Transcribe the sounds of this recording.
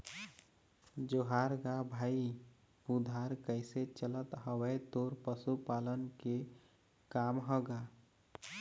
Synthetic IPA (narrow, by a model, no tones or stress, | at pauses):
d͡ʒoɦaɾɡabʱaːi | pud̪ʱaɾkəɪset͡ʃələt̪ɦəwet̪oːɾpəsupaːlənke | kaːmɦɔɡa